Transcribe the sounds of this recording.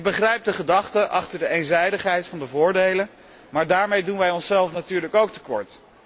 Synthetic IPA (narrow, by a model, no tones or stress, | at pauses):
ɡ̚bəχrɛjp̚dəχədɑχtəʔɑχtəɹdəejnzɛjdəχɦɛjtfɑndəvʊːɹdejlən | maːɹdaːɹmejdunʋɛjɔnsɛlˠfnatyːɹləkowk̚tə̥kɔ̰ɹt